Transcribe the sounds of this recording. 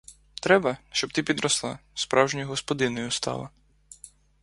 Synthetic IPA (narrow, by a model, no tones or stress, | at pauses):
t̪ɾɛbɐʃt͡ʃɔb̚t̪pʲid̪ɾɔslˠɑspɾʔɑwʒnʲijɦɔspɔd̪ɪnɔjʊst̪ɑ̰lˠɐ